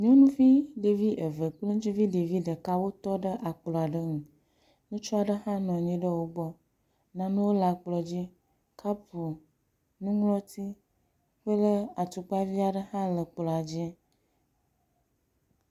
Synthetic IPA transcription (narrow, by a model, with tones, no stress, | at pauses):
mĩ˦wo˦nũ˦vi˦ɖe˨vi˦ʔə˨və˨k͡plə̃˦t͡ʃi˦vi˦ɖe˨vi˦ɖə˨ka˦wo˦t̪ɔ˦ɖə˦ʔa˨k͡plɔ˨a˨ɖə˦ŋũ˨ | nũ˦t͡ʃɔ˦a˨ɖə˦hã˦nɔ̃˨ɲĩ˦ɖə˦wo˦bɔ˦ | nã˦nũ˦wo˦la˨k͡plɔ˨d͡ʑi˦ | ka˦pu˨ | nũ˦ŋlɔ˦t̪i˦ | ɸə˦lə˦a˨t̪u˨k͡pa˦vi˦a˨ɖə˦hã˦lə˨k͡plɔ˨a˨d͡ʒɛ˦